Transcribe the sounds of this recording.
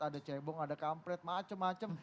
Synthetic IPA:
adat͡ʃebɔŋadakampɾɛt̪̚mat͡ʃəmːat͡ʃəm

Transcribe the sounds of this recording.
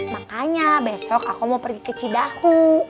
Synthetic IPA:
makaɲabesɔkakumaupərɡikət͡ʃidaku

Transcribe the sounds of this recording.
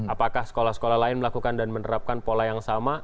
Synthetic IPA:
apakahsə̥kolahsə̥kolahlaɪnməlakukandanmənəɾap̚kanpolajaŋsama

